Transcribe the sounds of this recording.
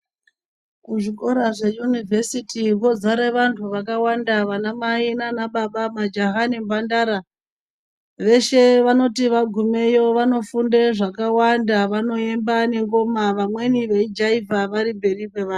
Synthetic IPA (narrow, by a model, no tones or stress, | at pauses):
kuʐik̬ʼo̞ɾaʐe̞junivʱesitiwo̞d͡zaɾeʋantʰuʋakawandaʋanamainanaɓaɓamad͡ʒaɦanimbandaɾa | ʋe̞ʃe̞ʋano̞tiʋaɡʱume̞jo̞ʋano̞fundeʐakawandaʋano̞e̞mbane̞ŋɡo̞maʋamwe̞niʋe̞id͡ʒaivʱaʋaɾimbe̞rikwe̞ʋa